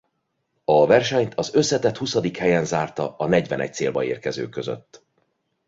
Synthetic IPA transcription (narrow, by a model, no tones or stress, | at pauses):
ɒvɛrʃɛɲt̪ʰɒzø̞sːɛt̪ɛt̪husɒd̪ikhɛjɛnzaːrt̪ɒ̰ɒnɛɟvɛnɛ̰c̚t̪seːlbɒḛːrkɛzø̰ːkøzø̰t̪ː